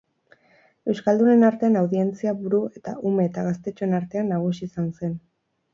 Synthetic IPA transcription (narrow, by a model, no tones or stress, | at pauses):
e̞wskald̪une̞naɾt̪e̞anawðie̞nt͡siaβuɾue̞t̪aʔume̞ːt̪aɣast̪e̞t͡ʃoenaɾt̪e̞anːaɣ̞usiːsanse̞n